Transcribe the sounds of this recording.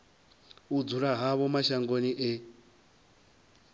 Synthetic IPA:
ud͡zuɾaɦaβɔmaʃaŋɡoniʔɛ

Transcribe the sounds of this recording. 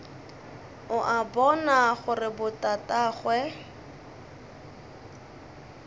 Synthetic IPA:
ʊʔabɔnaχʊrɪbʊtataːχwɛ

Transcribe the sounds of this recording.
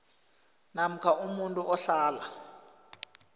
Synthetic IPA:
nam̩kʰaʔumuntʼuʔɔɬaːla

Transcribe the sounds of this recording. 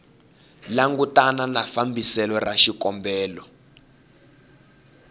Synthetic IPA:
laŋɡutananafambʱisɛlɔraʃikɔmbɛːlɔ

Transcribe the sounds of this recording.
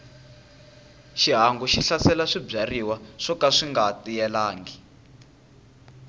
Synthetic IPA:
ʃiɦaŋɡuʃiɬasɛlaʂibb͡ʐariwaʂɔkaʂiŋɡatijɛlaːŋɡi

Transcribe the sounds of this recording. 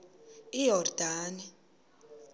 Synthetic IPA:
ijɔrd̥ʱaːni

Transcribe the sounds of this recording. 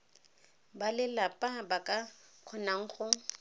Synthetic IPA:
balɪlapʼabakʼaq͡χʰɔnaŋ̩χʊ

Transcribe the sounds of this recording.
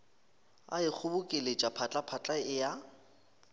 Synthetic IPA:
a̰ɪk͡xʰʊbʊkʼelet͡ʃʼapʰat͡ɬʼapʰat͡ɬʼaɪja

